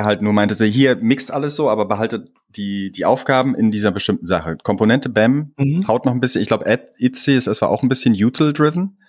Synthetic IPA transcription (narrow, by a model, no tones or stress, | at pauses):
ɦaltnuːɐmaɪntəzoːɦiːɐmɪkstʔaləsz̥oːʔaːbɐbəɦaltə | d̥iːd̥iːʔa̰ʊfɡ̥aːbm̩ɪndiːzɐbəʃtɪmtn̩zaχəkʰɔmponɛntəbɛmhaʊtnɔχn̩bɪsçənɪçɡ̥laʊbəʔɛtɪt͡sisɛsv̥a̰ːɐʔaʊn̩bɪsçənjuːtʰl̩dʁɪvn̩